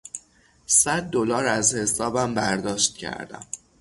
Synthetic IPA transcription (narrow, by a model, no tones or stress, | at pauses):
sæd̪̚ːolɒːɾæzhe̞sɒːbæmbæɾd̪ɒːʃt̪̚cʰæ̰ɾd̪æ̰m